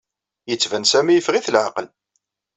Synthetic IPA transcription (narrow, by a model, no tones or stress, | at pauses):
jət͡sːvænsæmijəfʁiθlʕa̰qəl